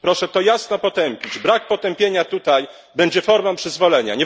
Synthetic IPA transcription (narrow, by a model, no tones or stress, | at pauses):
pɾɔʂɛt̪ɔjasnɔpɔt̪ɛmpʲid͡ʑbɾak̚pɔt̪ɛmpʲjeɲat̪ut̪aj | bɛɲd͡ʑɛfɔɾmapʂɘzvɔlɛɲa̰ɲɛ